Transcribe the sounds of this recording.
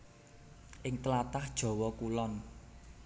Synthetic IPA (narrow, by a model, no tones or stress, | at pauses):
ʔɪŋt̪əlat̪ahd̥ʒ̥ɔ̤wɔkulɔn